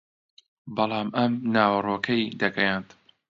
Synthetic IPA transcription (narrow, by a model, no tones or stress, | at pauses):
bɑlˠɑːmʔɐmnaːwɐroːkʰɐd̪ɐɡɐjant̪